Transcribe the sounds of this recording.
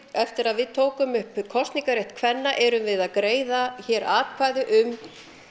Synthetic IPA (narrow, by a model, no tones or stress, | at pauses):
ɛft̪ɪɾaðvɪðt̪ʰoːwkʏmʏhpkʰɔst̪niŋkaɾeht̪kʰvɛnːaʔɛɾʏmvɪðaðkɾeːjðaçɛːɾʔaːtkʰvaːjðʏʔʏm